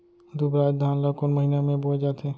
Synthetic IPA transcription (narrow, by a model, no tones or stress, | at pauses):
d̪ubɾaːd͡ʒd̪ʱaːnlakʊnməɦiːnemẽboːd͡ʒaːt̪ẽː